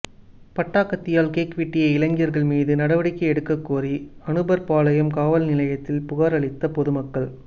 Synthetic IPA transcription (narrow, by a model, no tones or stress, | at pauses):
pɐʈːaːkːɐt̪ːɪjaːlkeːkʋɪʈːɪjɐɪɪlɐŋɡɪjɐɾɣɐɭmiːðɯnɐɽɐʋɐɽɪkːɐɛɽɯkːɐkːuːriɐɳɯbɐɾpaːlɐjɐmkaːʋɐlnɪlɐjɐt̪ːɪlpʊɣɐɾɐɭɪt̪ːɐpɔðɯmɐkːɐɭ